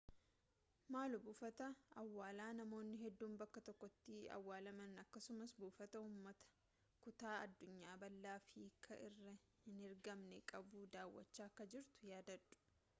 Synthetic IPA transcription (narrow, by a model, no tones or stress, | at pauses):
maːlʊbʊfɐt̪ɐɐwːaːlaːnɐmo̞ːnːɪɦɛd̪ːuːmbɐkːɐt̪ɔkːɔt̪ːɪɐ̰wːaːlɐmɐnɐkːɐsʊmɐsbuːfɐt̪ɐuːmːɐt̪ɐ̥ | kʊt̪aːɐd̪ːʊɲːaːbɐlːaːfiːkʰɐʔɪrːɐ | hɪnɪɾɡɐmnɛkʼɐbud̪aːwːɐ̰t͡ʃːaːkːɐd͡ʒɪɾt̪ʊ̥jaːd̪ɐd̪ʊ̥